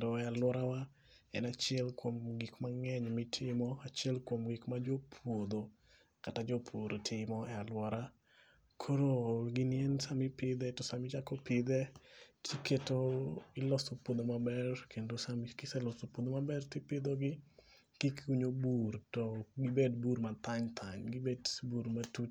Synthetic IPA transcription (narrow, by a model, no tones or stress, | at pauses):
doɛalwɔɾawa | ɛnat͡ʃɪɛlkwomɡɪkmaŋɛɲmɪtʰɪmɔat͡ʃɛlkwomɡɪkmad͡ʒopʰwod̪o | katad͡ʒopʰwoɾotʰɪmɔɛalwɔɾa | kʰoɾoɡɪnjɛnsamɪpɪd̪ɛtɔsamɪt͡ʃakɔpɪd̪ɛtʰiketoɪlɔsopod̪omabɛrkʰendosamkɪsɛlɔsopod̪omabɛrtɪpɪd̪oɡɪ | kikuɲobuɾtɔɡɪbedbuɾmat̪aɲt̪ʰaɲɡɪbedbuɾmatut͡ʃ